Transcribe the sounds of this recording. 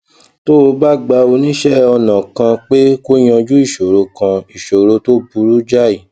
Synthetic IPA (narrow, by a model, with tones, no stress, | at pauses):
to˦o˧ba˦˨ɡ͡ba˧o˧nĩ˦ʃɛ˦ɔ˧nã˨kã˧k͡pe˦ko˦j̃ã˧d͡ʒu˦i˦˨ʃo˨ɾo˧kã˧i˨ʃo˨ɾo˧to˦bu˧ɾu˦d͡ʒa˦˨i˨